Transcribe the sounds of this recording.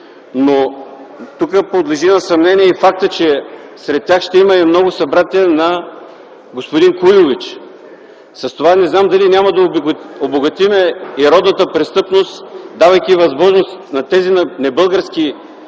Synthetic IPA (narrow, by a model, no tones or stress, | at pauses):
no | t̪ukəpod̪lɛʒinɐsɐmnɛniɛifak̚t̪ət͡ʃɛ | sɾɛt̪̚ːʲjaxʃt̪ɛimɐɛmnɔɡʊsɐbɾat̪iɛnɐ | ɡospʊd̪inkujʊvit͡ʃ | səst̪ovanɛznamd̪ɐlinʲaməd̪ɐoboɡɐt̪imɛiɾɔd̪nət̪əpɾɛst̪ɤpnost̪d̪avɐjkʲivɐzmɔʒnost̪nɐt̪ɛzinnɛbɤlˠɡəɾskʲi